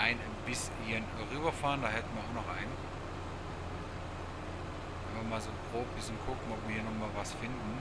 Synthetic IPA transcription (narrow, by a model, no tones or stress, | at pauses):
aɪnanbɪs | jən | ʁyːbɐfaːʁəndaːɦɛtn̩viːɐaʊxnɔχʔaɪnn | vɛnviɐmaːlzoːpʁ̥oːp̚b̥ɪsçənkʰʊkŋ̩ɔpv̥iːɐhiːɐnɔχmaːlvasfɪndn̩